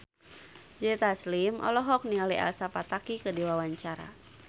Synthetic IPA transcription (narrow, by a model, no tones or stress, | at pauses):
d͡ʒɛt̪aslimʔɔ̰lɔɦɔk̚niŋaliʔa̰lsapat̪akikədiwawaɲt͡ʃaɾa̰